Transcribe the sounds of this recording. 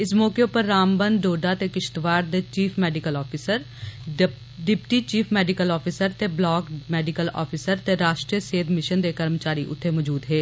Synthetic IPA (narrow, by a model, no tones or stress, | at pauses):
ɪsmɔːkepəɾːaːmbə̃nd̪ɖoːɖaːt̪eːkɪʃt̪ʋaːɾd̪eːt͡ʃiːpʰmɛːɖɪkəlɔːpʰiːsəɾ | ɖɪpʈiːt͡ʃiːpʰmɛːɖɪkəlɔːpʰiːsəɾt̪eblɔːkmɛːɖɪkəlɔ̰ːpʰisəɾt̪eɾaːʃʈɾijəseːd̪mɪʃənd̪eːkəɾmət͡ʃaːɾiʔʊ̰t̪ʰːeːmɔːd͡ʒuːd̪ɦeː